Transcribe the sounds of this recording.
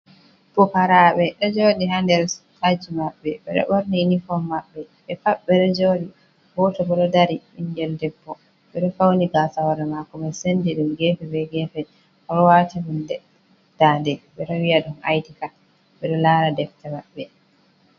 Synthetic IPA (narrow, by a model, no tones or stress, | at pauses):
b̥ɔpaɾaɓɛɗɔd͡ʒoɗihandɛɾtad͡ʒimaɓːɛɓɛɗɔ̰ɓoɾninifɔmːaɓːɛ | ɓɛfaɓːɛɗɔd͡ʒoːɗi | bɔtɔbɔɗɔdaɾimiɲɡɛldɛbːɔ | ɓɛɗɔfawniɡasawaɾɛmakɔmɛsendiɗumɡɛfɛbɛɡɛːfɛ | ʔɔɾɔwatihundɛ | d̥andɛɓɛɗɔwiaɗuma̰jdika | ɓɛɗɔlaːɾadɛftɛmaɓːɛ